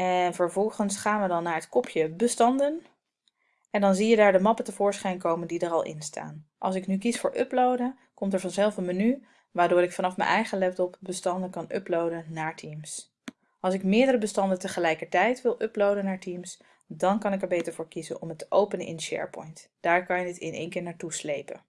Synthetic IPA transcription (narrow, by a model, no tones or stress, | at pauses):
ɛnvəɹvɔlˠχənsχaːnʋədɑnːaːɹɦətkɔpʰjəbəstɑndən | ɛndɑnzijədaːɹdəmɑpətəvʊːɹsχɛjnkowməndidəɾɑlˠʔɪ̰nsta̰ːnʔɑ̰lˠsɪknykisfʊːɹʔɵplowdən | kɔmtɛɹvɑnzɛlˠfənməny | ʋaːɹdʊːɾɪkfɑnɑfmɛ̰nʔɛjχəlɛp̚tɔpbəstɑndənkɑnʔɵ̰plowdənːaːɹtʰims | ɑlˠsɪkmɪːɹdəɾəbəstɑndəntəχəlɛjkəɹtɛjtʋɪlˠʔɵplowdənːaːɹtims | dɑnkɑnɪkɛɹbejtəɹvʊːɹkizənɔmətəʔowpənəʔɪ̰nʃɛ̰ɹpɔ̰jntd̥aːɹkɑnjədɪtɪnḛjŋkɪːɹnaːɹtuslejpə̰n